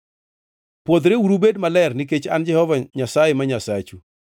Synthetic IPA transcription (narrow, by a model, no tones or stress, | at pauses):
pwod̪ɾeuɾubedmalɛrnɪk̬et͡ʃa̰nd͡ʒɛhɔvaɲasajemaɲasat͡ʃu